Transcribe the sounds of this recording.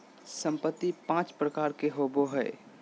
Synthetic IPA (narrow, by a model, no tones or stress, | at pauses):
sə̃mpət̪ːipãːt͡ʃpɾəkaːɾkeɦoboɦɛɪ